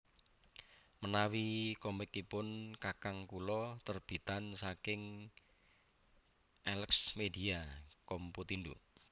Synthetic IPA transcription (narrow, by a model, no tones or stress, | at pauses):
mənawikɔmɪkːipʊnkakaŋkulɔt̪ərb̥i̤t̪ansakɪŋ | ɛləksmediakɔmput̪indṵ